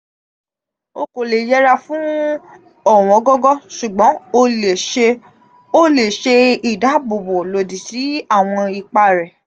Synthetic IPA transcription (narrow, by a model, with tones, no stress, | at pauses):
o˧ko˨le˨jɛ˦ɾa˧fũ˦ | ɔ˦˨w̃ɔ̃˨˦ɡɔ˦ɡɔ˦ʃu˨ɡ͡bɔ̃˨˦o˦e˨˧ | o˦le˨ʃe˧i˨da˨˦bo˨bo˨lo˨di˨ti˨˦a˦˨w̃ɔ̃˧i˨k͡pa˧ɾɛ˨